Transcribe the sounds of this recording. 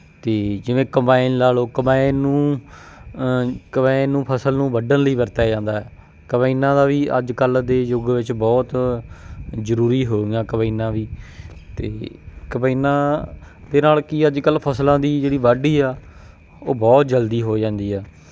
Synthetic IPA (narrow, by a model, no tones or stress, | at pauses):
t̪eːd͡ʒɪʋẽːkəmbaːɪnlaːloːkəmaːɪnːũː | kəbaːɪnːũːpʰəsəlnũːbəɖənləiːbəɾt̪aːd͡ʒãːnd̪aːɦɛː | kəbaːinãːd̪aːʋiːʔə̰d͡ʒkəld̪eːd͡ʒʊɡʋɪt͡ʃbɔːt̪ | zəɾuːɾiːɦoːɪãːkəbaiːnãːʋiːt̪ḛːkəbaiːnãː | d̪eːnaːlkɪəd͡ʒkəlpʰəslãːd̪iːd͡ʒeːɽiːʋaɖiːaː | oːbɔːt̪̚d͡ʒəld̪iːɦoːd͡ʒãːnd̪iːɛː